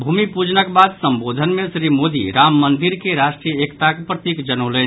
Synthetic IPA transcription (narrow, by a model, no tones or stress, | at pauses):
bʱumipud͡ʒnəkbad̪səmbod̪ʱənmesɾimod̪ḭɾamːənd̪iɾkeɾasʈɾijəekt̪akepɾət̪ikd͡ʒənələn